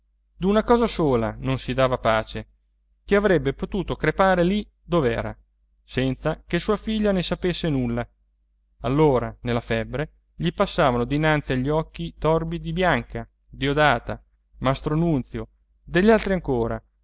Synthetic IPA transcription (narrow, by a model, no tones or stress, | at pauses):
d̪unakɔːzasoːla̰nonsid̪aːvapaːt͡ʃe | keavɾɛbːepot̪uːt̪okɾepaːɾeli | d̪ovɛːɾa̰ | sɛnt̪sakesuːafiʎːanesapesːenulːa | alːoːɾanelːafɛbːɾe | ʎipasːaːvanod̪inant̪siaʎːiɔkːit̪ɔrbid̪ibjaŋka | d̪iod̪aːt̪a | mast̪ɾoanunt̪sjo | d̪eʎːalt̪ɾiaŋkoːɾa̰